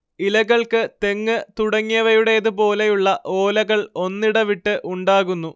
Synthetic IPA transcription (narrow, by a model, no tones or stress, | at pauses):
ilɐɣɐɭkɨt̪e̞ŋːɨt̪uɽɐŋːijɐʋɐjuɽe̞jːðɨpo̞ːle̞juɭːɐʔo̞ːlɐɣɐɭo̞nːiɽɐʋiʈːɨʔuɳɖaːɣunːu